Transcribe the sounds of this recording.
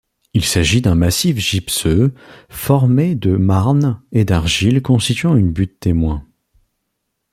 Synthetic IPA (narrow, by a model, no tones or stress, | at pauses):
ilsaʒid̪ɛ̃masifʒipsøfɔʁmed̪əmaʁned̪aʁʒilkɔ̃st̪it̪ɥɑ̃ynbyt̪t̪emwɛ̃